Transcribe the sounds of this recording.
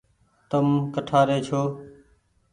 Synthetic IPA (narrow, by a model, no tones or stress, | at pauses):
t̪əmkəʈʰaːɾeːt͡ʃʰoː